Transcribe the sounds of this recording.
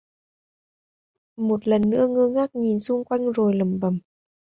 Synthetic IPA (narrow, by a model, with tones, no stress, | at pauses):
mo˨˩t̚lə˨˩nːɨ̰˧˥əŋɨ˧ŋaː˦˥k̚ɲi˨˩nsu˧˥ŋkwa˧˥jŋ̟zoː˨˩jlə˨˩mbə˨˩m